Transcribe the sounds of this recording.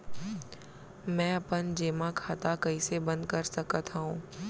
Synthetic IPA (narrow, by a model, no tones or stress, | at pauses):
mɛ̃ːɐpənd͡ʒeːmãkʰaːt̪akɐisebɐ̃nd̪̚kɐɾsɐkət̪ɦaɦũː